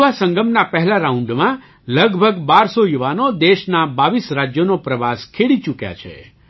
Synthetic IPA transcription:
ʋasəŋɡəmnapɛɦɛlaɾaũɳɖmã | ləɡbʱəɡbaɾsojuʋanod̪eʃnabaʋisɾad͡ʒjonopɾəʋaskʰeɽit͡ʃukja̰t͡ʃʰḛ

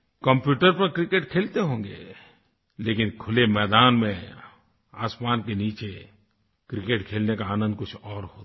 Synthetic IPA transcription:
kə̃mpjuːʈəɾpɐɾkɾɪkeːʈkʰeːlt̪eɦõːŋɡḛ | leːkɪnkʰʊlemɛːd̪aːnmẽ | aːsmaːnkeniːt͡ʃe | kɾɪkeːʈkʰeːlnekaaːnə̃nd̪̚kʊt͡ʃʰɔːɾɦoːt̪ː

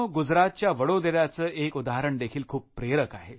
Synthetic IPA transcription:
ɡud͡zɾat̪̚t͡ɕjaʋəɽod̪eɾjat͡səːʔekud̪aɦɾəɳd̪ekʰiːlkʰuːpːɾeɾəkaɦe

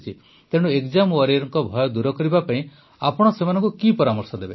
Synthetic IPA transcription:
t͡ʃʰi | t̪eɽ̃uekd͡ʒamɔɾiɾɔŋkɔbʱɔjɔd̪uɾɔkɔɾibapaĩ | apɔɽ̃ɔsemanɔ̃ŋkukipɔɾamɔɾsɔd̪ebe

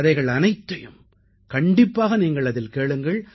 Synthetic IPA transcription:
ðɐɪɣɐɭɐnɐɪt̪ːɐjɯm | kɐɳɖɪpːaːɣɐniːŋɡɐɭɐðɪlkeːɭɯŋɡɐɭ

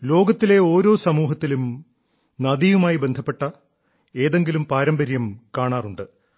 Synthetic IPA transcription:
lo̞ːɡɐt̪ːile̞o̞ːɾo̞ːsɐmuːɦɐt̪ːilum | nɐðijumaːjibe̞nd̪ʱʰɐpːe̞ʈːɐ | e̞ːðe̞ŋɡilumpaːɾɐmbɐɾjɐmkaːɳaːruɳɖɨ

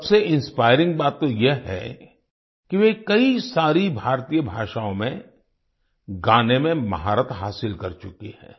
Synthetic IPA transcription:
sɐbseʔɪ̃nspaːɪɾɪ̃ŋɡ̚baːt̪ːojeɦɛ̰ | kiʋekɐisaːɾibʱaːɾt̪iːjəbʱaːʃaːõmẽ | ɡaːnemẽmɐɦaːɾət̪ɦaːsɪlkɐɾt͡ʃʊkehɛ̰̃ː

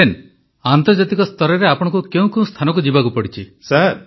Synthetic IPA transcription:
en | ant̪ɔɾd͡ʒat̪ikɔst̪ɔɾɔɾeapɔɽɔ̃ŋkukeũkew̃st̪ʰanɔkud͡ʒibakupɔɽit͡ʃʰisaɾ

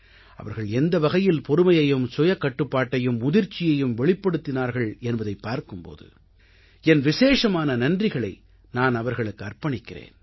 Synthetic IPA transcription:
ɐ̰ʋɐɾɣɐɭɛnd̪ɐʋɐɣɐjɪlpɔɾɯmɐjɐjɯmsɔjɐkːɐʈːɯpːaːʈːɐjɯmʊðɪɾt͡ʃːɪjɐjɯmʋɛɭɪpːɐɽɯt̪ːɪnaːɾɣɐɭɛnbɐðɐɪpːaːɾkɯmpo̰ːðɯ̰ | ɛnʋɪseːʂɐmaːnɐnɐndrɪɣɐɭɐɪ | naːnɐʋɐɾɣɐɭɯkːɯɐrpɐɳɪkːɪrḛːn

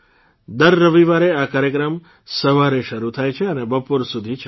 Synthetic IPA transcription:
d̪əɾːəʋiʋaɾeakaɾjəkɾəm | səʋaɾeʃəɾut̪ʰajt͡ʃʰeənebəpoɾsud̪ʱit͡ʃʰ

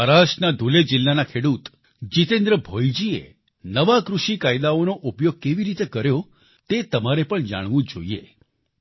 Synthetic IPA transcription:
əɾaʃnad̪ʱuled͡ʒilːanakʰeɽut̪ | d͡ʒit̪ẽnd̪ɾəbʱojd͡ʒiḛ | nəʋakɾuʃikajd̪aonoʔupjoɡ̚keʋiɾit̪ekəɾjo | t̪et̪əmaɾepəɳd͡ʒa̰ɽ̃ʋũd͡ʒo̰ie

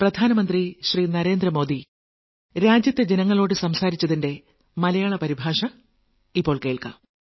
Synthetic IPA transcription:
prɐd̪ʱaːnɐmɐnd̪riɕriːnɐɾe̞ːnd̪rɐmo̞ːd̪i | ɾaːd͡ʑjɐt̪ːed͡ʑenɐŋːɐɭo̞ːɽɨsɐmsaːɾit͡ɕːɐðinde̞ | mɐlɐjaːɭɐpɐɾibʱaːʂɐ | ipːo̞ːɭke̞ːɭka̰

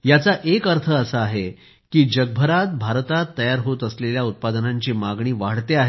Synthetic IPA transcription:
jat͡saʔekəɾt̪ʰəəsəːɦe | kiːd͡ʑəɡ̚bʱəɾat̪̚bʱaɾt̪at̪ːəjaɾɦot̪əsleljaut̪̚pad̪ənaɲt͡ɕiːmaɡɳiːʋaɽt̪eaɦe

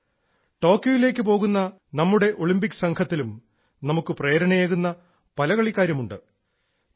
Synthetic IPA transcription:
ʈo̞ːkːjojile̞ːkːɨpo̞ːɣunːɐ | nɐmːuɽe̞ʔo̞ɭimbikːɨ̥sɐŋkʰɐt̪ːilum | nɐmukːɨpreːɾɐɳɐjeːɣunːɐ | pɐlɐɣɐɭikːaːɾjɐmuɳɖɨ

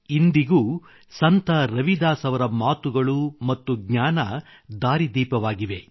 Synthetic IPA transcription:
ind̪iɡuː | sɐnt̪ʰɐɾɐʋid̪aːsɐʋɐɾɐmaːt̪uɡɐɭumɐt̪ːuɡɲaːnɐ | d̪aːɾid̪iːpɐʋaːɡiʋe̞

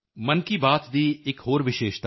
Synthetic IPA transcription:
mɐnkibaːt̪d̪iːɪkɦoːɾʋɪʃeːʃt̪a

